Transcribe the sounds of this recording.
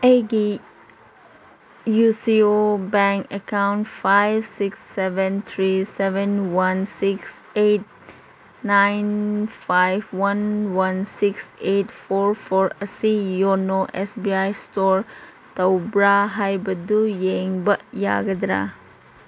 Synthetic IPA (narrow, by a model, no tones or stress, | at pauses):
eɡi | jusiobɛŋkekawnʈfajbsiksːeʋɛnt̪ʰɾiseʋenwɐnsikseʈ̚ | najnfajbwɐnwɐnsikseʈfoɾfʰoɾɐsijonoʔesbiajstoɾ | t̪ɐwbɾaɦajbɐd̪ujeŋbɐʔja̰ɡɐd̪ɾa̰